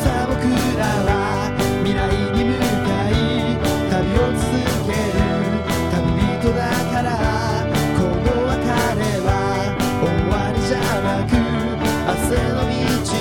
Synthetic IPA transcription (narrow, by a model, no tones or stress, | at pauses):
sabɯkɯɾaβa | mʲiɾaiɲimɯ̟kai | t̪abʲio̞t͡sɨ̥zɨke̞ɾɯ | t̪abibʲit̪o̞d̪akaɾa | koɡoβakaɾeβa | oaɾʲiʑa | nakɯ | asenomʲit͡ɕi